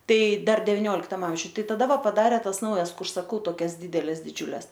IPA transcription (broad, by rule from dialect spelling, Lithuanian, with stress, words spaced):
ˈtɐɪ ˈdɐr dʲɛʋʲɪˈnʲoːlʲɪktɐm ˈɐmʲʒʲʊj ˈtɐɪ tɐˈdɐ ˈʋɐ pɐˈdɑːrʲeː ˈtɐs ˈnɐʊjɛs ˈkʊr sɐˈkɐʊ toːˈkʲɛs ˈdʲiːdʲɛlʲɛs dʲɪˈd͡ʒʲʊlʲɛs